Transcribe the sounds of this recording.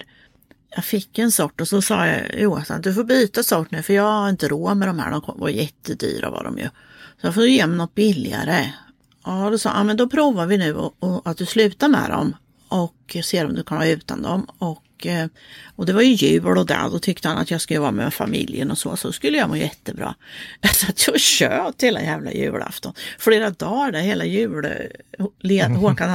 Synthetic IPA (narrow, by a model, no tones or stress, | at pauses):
jɑɡfɪkːɛnsɔʈːɔsɔsɑːja̰juːasa̰nd̪ɵfoːɾbyːt̪asɔʈɳʉ̟ːfœɾjɑhaɾɪnt̪əɾoːmɛd̪ɔmhæ̰ːɖ̪ɔmkʰɔvajjɛt̪ːəd̪y̰ːɾa̰va̰ɾdɔ̰mjɵ̰ | sɔjɑfoːjjeːmnɔt̪̚ːbɪlːɪa̰ɾə | ʔɑd̪ɔsɑ̰ːʔɑːmɛnd̪ɔpʰɾuːvavɪnʉ̟ːɔ̰ɔat̪̚d̪ɵslʉ̟ːt̪amɛ̰d̪ɔ̰m | ʔɔkːseːɾɔmd̪ɵkʰanhɑːʉ̟ːt̪and̪ɔmɔkː | ɔd̪ɛvaɾjɵjʉ̟ːlɔd̪ɛ̰d̪ɔt̪ʰʏk̚t̪əhanat̪jɑɡskajɔbɑːamɛmɛfamɪljənɔsɔːsɔskɵlːəjɑmoːjɛt̪ːəbɾɑ̰ːd̪̥ɛfat̪ʰjɑɕøːt̪heːla̰jæːvla̰jʉ̟ːla̰ft̪ɔnfleːɾad̪ɑːɖæɾheːlajʉ̟ːɽ̰ | lːhoːkan